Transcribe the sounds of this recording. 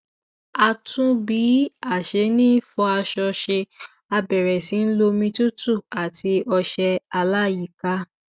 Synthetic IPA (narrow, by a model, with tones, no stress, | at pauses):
a˧tũ˦bi˨˦a˦˨ʃe˨˧˦nĩ˦fɔ˧a˧ʃɔ˧ʃe˧ | a˧bɛ˨ɾɛ˨si˨˦n̩˦lo˧mĩ˧tu˦tu˦˨a˨ti˧ɔ˧ʃɛ˧a˧la˦˨ji˨ka˦